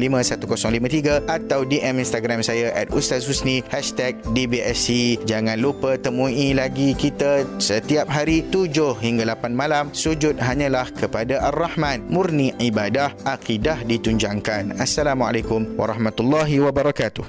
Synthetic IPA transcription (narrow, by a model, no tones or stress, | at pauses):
limə̃sat̪ukosɔŋlimãt̪iɡaat̪awdiʔɛmĩnst̪aɡɾamsajaʔat̪̚ust̪asusnihɛʃt̪ɛk̚dibiɛsid͡ʒaŋãnlupət̪əmũilaɡikit̪asət̪iap̚ɦaɾit̪ud͡ʒʊhhiŋɡalapanmãlamsud͡ʒʊt̪̚ɦaɲãlahkəpadaʔarːahmãnmurniibadahʔaqidahdit̪uɲd͡ʒaŋkanasːalamua̰lakʊmwa̰ɾˤɑhmat̪ulːaɦiwabaɾɑkat̪uh